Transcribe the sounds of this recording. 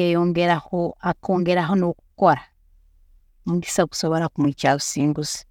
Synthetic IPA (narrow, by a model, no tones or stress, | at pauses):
ejoŋɡeɾahoakoːŋɡe̞ɾaɦonoku̥ko̞ɾa | munɡisaku̥so̞βo̞ɾakumwiːt͡ʃaβusiːŋɡusi̥